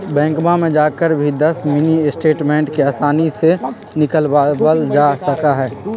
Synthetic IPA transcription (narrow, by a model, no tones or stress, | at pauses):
bɛ̃ːŋkmamẽd͡ʒaːkəɾbʱid̪əsmɪniɪsʈeːʈmẽːɳʈkeaːsaːnise | nɪkəlbəld͡ʒasəkaɦɛː